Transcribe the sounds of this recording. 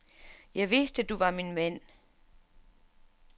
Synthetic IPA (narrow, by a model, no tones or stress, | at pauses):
jɑ̈ɪʋesd̥əd̥uʋɑ̈minmæn̰